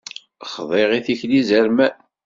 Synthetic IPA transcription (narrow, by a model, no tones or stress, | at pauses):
χðˤeʁiθiçlizəɾmæ